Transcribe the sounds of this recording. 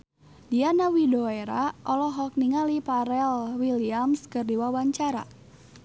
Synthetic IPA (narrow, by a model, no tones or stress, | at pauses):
dianawidoeɾaʔɔlɔɦɔk̚niŋalipaɾɛlwiliamskɨrdiwawaɲt͡ʃaɾa̰